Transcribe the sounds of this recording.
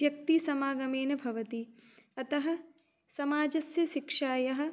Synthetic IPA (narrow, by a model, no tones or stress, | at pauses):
jɐk̚t̪isɐmaːɡɐmeːnɐbʱɐʋɐt̪iɐt̪ɐɦɐ̆ | sɐmaːd͡ʒɐsjɐʃikʂaːjɐɦɐ̆